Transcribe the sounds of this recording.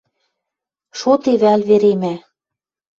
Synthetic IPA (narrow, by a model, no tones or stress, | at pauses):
ʃot̪eβælβeɾemæ